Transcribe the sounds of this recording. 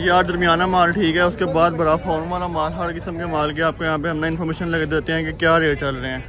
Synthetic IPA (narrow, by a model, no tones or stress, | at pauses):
jaːɾd̪ɐɾmijaːnamaːlʈʰiːkɦɛːʊskebaːd̪̚bɐɾafoːnʋaːlamaːlɦɐɾkɪsəmkemaːlkeaːp̚kojɐɦãːpeɦɐmnaɪnfɔːɾmeːʃənlɐɡd̪eːt̪eɦɛ̃ːkekjaːɾeːɽt͡ʃɐlɾɐɦeɛ̃ː